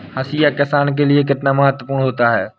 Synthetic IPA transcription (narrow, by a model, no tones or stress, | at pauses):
həsiːjakɪsaːnk̬elɪek̬ɪt̪namɐɦət̪wəpuːɳɦoːt̪aɦɛː